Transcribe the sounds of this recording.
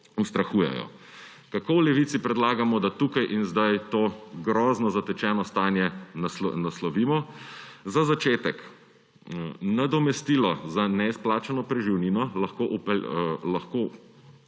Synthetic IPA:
ust̪ɾaxuːjɛ̰jɔ̰ | kakowlɛʋit̪sipɾɛd̪laːɡamɔd̪at̪uːkajʔinzd̪ajt̪oːɡɾɔːznɔzat̪ɛt͡ʃɛːnɔst̪aːnjɛsnaslɔʋiːmɔzazat͡ʃeːt̪ɛk | nad̪ɔmɛst̪iːlɔzanɛisplaːt͡ʃanɔpɾɛʒiwniːnɔlɐxkoʔupɛlaxko

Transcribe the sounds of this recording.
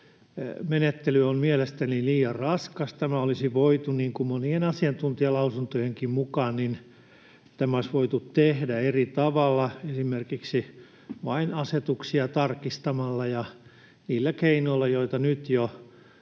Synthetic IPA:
menet̪ːelyommielest̪æniliːjɑrrɑskɑst̪æmæolisiʋoit̪uniːŋkumonienɑsiɑnt̪unt̪iɑlɑusunt̪ojeŋkimmukɑːnnin | t̪æmæoisʋoit̪ut̪tehdæerit̪ɑʋɑlːɑesimerkiksi | ʋɑinɑset̪uksiɑt̪ɑrkist̪ɑmɑlːɑjɑ | niːlːækeinoilːɑjoit̪ɑnyt̪jo

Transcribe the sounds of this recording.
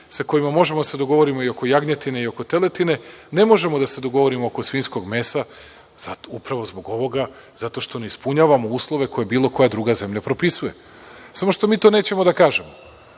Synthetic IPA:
sako̞imamo̞ʒemod̪ased̪o̞ɡo̞ʋo̞ɾimo̞io̞ko̞jaɡɲet̪ine̞io̞kot̪e̞le̞t̪ine̞ne̞mo̞ʒe̞mo̞d̪ase̞d̪o̞ɡo̞ʋo̞ɾimooko̞sʋiːnsko̞ɡme̞sa | z̥at̪upɾaʋo̞zbo̞ɡo̞ʋo̞ɡa | zat̪o̞ʃt̪o̞neispuɲaːʋamouːslˠo̞ʋe̞ko̞je̞biːlˠo̞ko̞jad̪ɾuːɡaze̞mʎapɾo̞pisuje̞ | samo̞ʃt̪o̞miːt̪oːne̞ːt͡ɕemod̪akaːʒe̞mo

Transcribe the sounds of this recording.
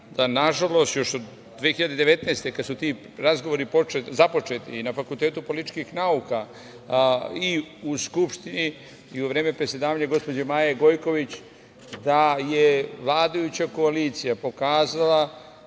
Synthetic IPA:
d̪̥anaʒalo̞st̪jo̞ʃod̪ | d̪ʋexiʎad̪ed̪e̞ʋe̞t̪neːst̪e̞kad̪sut̪iː | ɾazɡoʋo̞ɾipoezapo̞t͡ʃe̞t̪ḭːnafakulˠt̪e̞ːt̪upo̞lit̪it͡ʃkixnauka | iuskupʃt̪ini | iuʋɾeːme̞pɾesʲje̞d̪aːʋaɲaɡo̞spo̞d͡ʑemaːjeɡo̞jko̞ʋit͡ɕ | d̪ajeʋlˠaːd̪ajut͡ɕako̞aliːt̪sijapo̞kaːzala

